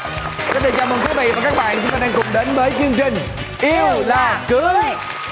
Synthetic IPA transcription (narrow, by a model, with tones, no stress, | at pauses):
kɔ˨˦t̪ʰe˨˧˩t͡ɕaː˧˩mə˨˧˨ŋt̪ʰi˨˦vḭ˧˨vaː˨˩kaː˦˥k̚ɓa̰ː˧˨nt͡ɕʊ˨˦ŋ͡mt̪aː˧ɗɛː˧ŋkʊ̰˨˩ŋ͡mɗe˨˦nvəː˨˦jt͡ɕɨ˧əŋt͡ɕï˨˩ŋ̟ | ʔi˧wlaː˨˩kɨ˨˦